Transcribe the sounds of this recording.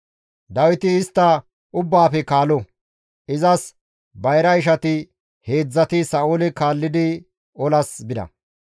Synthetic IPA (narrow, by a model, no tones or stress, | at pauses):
d̪ɐwɪt̪ɪːst̪ːɐ | ʊbːaːfɛkaːlɔ | ɪzɐs | bɐjɾɐɪʃ̬ɐt̪ɪ | he̞ːd͡zːɐt̪ɪsɐoːlɪkaːlːɪd̪ɪ | ɔlɐsbɪd̪ɐ̰